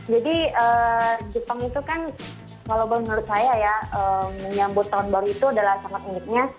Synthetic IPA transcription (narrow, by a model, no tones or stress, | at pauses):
d͡ʒadiəːd͡ʒəpaŋit̪ukan | kalawbəlʊmənuɾʊt̪̚sajajaəəɲambʊt̪ːaʊnbaɾuit̪uadalahsaŋat̪̚minɪk̪̚ɲa